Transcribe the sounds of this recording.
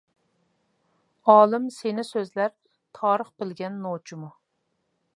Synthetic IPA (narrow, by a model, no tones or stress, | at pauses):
ɑːlˠɨmsenɪsøzlæɾ | t̪ʰɑːɾəχbɪlɡʲɛnːot͡ʃʰimu